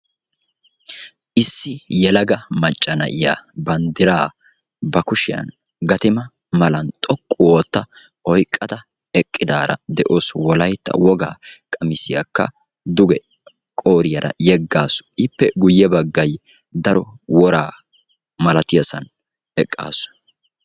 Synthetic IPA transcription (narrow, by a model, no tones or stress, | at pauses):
ʔɪsːɪjɛlɐɡɐmɐt͡ʃʼːɐnɐ̰ʔɪja̰ːbɐnd̪ɪɾaː | bɐkʊʃɪjɐ̰n | ɡɐt̪ɪmɐ | mɐlɐnt̪ʼɔkʼːʊwoːt̪ːɐ | ɔjkʼːɐd̪ɐ | ɛkʼːɪd̪aːɾɐ̰d̪ɛʔo̞ːswɔlɐjt̪ːɐ̰wɔɡa̰ːkʼɐmɪsɪja̰kːɐ̰ | d̪ʊɡɛ | kʼoːɾɪjɐɾɐ̰jɛɡːaːsʊ̥ɪpːɛɡʊjːɛbɐɡːɐj | d̪ɐɾɔwɔɾaː | mɐlɐt̪ɪjɐsɐn | ɛkʼːa̰ːsʊ̥